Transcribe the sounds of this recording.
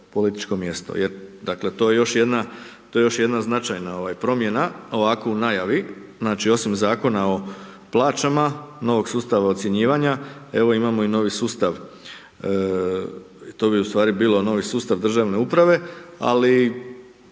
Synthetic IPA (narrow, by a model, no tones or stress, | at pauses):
po̞lit̪i̥t͡ʃko̞mje̞st̪o̰jeɾd̪akle̞t̪o̞ːjejo̞ʃje̞d̪nat̪o̞ːje̞jo̞ʃje̞d̪naznat͡ʃajnao̞ʋajpɾo̞mje̞nao̞ʋakounajaʋi | znaːt͡ʃio̞simzaːko̞nao̞ | plˠaːt͡ʃamano̞ʋo̞ɡsuːst̪aʋaot̪sje̞ɲiːʋaɲae̞ʋo̞imamo̞ino̞ːʋisuːst̪aʋ | it̪o̞ːbiust̪ʋaːɾibiːlo̞no̞ːʋisuːst̪aʋd̪r̩ʒaʋne̞upɾaʋe̞a̰li